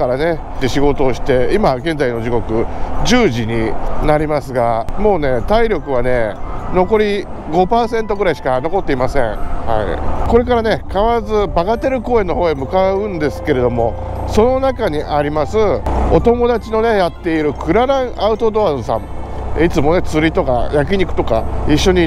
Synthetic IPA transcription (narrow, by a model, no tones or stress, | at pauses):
kaɾane̞ | t̪ːe̞ɕiɡo̞t̪o̞ːɕi̥t̪e̞imaɡẽ̞nd͡zaino̞d͡ʑiko̞kɯ̟d͡ʑɨːʑiɲ̟inaɾʲimasɨɡamo̞ːne̞t̪aiɾʲo̞kɯ̟β̞ane̞no̞ko̞ɾʲi | ɡo̞paːsẽ̞nt̪o̞ɡɯ̟ɾaiɕi̥kano̞ko̞t̪ːe̞imasẽ̞ɴha̰ḭko̞ɾe̞kaɾane̞kaβaɾazɨbaɡat̪e̞ɾɯ̟ko̞ːe̞nːo̞ho̞ːemɯ̟kaɯ̟̃nd̪e̞sɨ̥ke̞ɾe̞d̪o̞mo̞ | so̞no̞nakaɲ̟iʔaɾʲimasɨo̞t̪o̞mo̞d̪at͡ɕino̞ne̞jat̪ːe̞iɾɯ̟kʰɯ̟ɾaɾãɰ̃ʔaɯ̟t̪o̞d̪o̞azɨsãm | it͡sɨmo̞ne̞t͡sɨɾʲit̪o̞ka̰jak̬ʲiɲ̟ikɯ̟̥t̪o̞kaiɕːo̞ɲ̟i